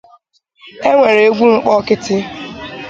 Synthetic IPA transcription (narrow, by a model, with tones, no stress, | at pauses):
e˦ŋʷe˨ɾe˨e˦ɡʷu˦ŋ̩˦k͡pɔ˦kɪ˦tɪ˦